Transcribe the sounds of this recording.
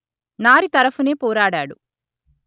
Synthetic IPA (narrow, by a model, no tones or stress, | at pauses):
naːɾit̪ɐɾɐfuneːpoːɾaːɽaːɽu